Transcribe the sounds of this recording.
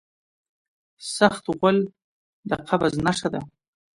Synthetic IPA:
saxt̪ʁʷal | d̪ə̰qʰabaznaʂad̪a

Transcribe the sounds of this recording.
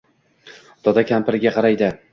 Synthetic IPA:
d̪̥ɒd̪akʲampɪɾɪɡʲaqʰɑɾajd̪ɪ

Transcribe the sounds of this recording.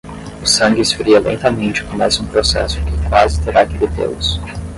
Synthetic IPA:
ʊsɐ̃ŋɡɪsfɾiɐlʔḛ̃nt̪ɐmẽnt͡ʃɪ̥kõmajzũpɾosɛ̰sʊkɪkwazɪt̪eɾakɪd̪ɪt̪ḛlʊs

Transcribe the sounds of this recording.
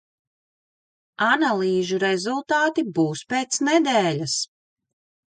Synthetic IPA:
analˠiːʒuɾɛzulˠt̪aːt̪ibuːspeːt̪snɛd̪eːlʲas

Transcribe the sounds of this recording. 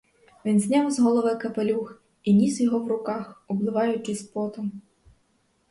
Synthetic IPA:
ʋʲinzʲnʲawzɦɔlˠɔʋɪkɐpelʲux | inʲisjɔɦɔwrʊkɑxɔblˠɪʋɑjʊt͡ʃɪspɔt̪ɔm

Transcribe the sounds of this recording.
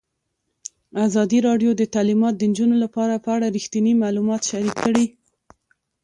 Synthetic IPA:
azɑd̪iɾɑɖjod̪ət̪alimɑt̪̚d̪ənd͡ʒunolapɑɾapəaɽaɾixt̪inimalumɑt̪ʃaɾikːəɽi

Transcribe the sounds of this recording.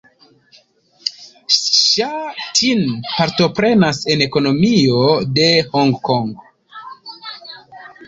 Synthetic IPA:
ʃatʰinpaɾto̞pɾe̞nase̞ne̞ko̞no̞mio̞de̞hoŋɡkoŋɡo

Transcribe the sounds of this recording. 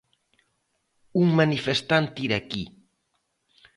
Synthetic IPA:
uŋmanifest̪ant̪iɾaki

